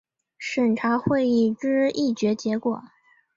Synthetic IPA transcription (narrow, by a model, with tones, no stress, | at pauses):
ʂə˨˩nʈ͡ʂʰa˧˥xwe˥˧ɪi˥˩ʈ͡ʂɻ̩˥i˥˩t͡ɕɥɛ˧˥t͡ɕjɛ˧˥kwɔ˨˩˦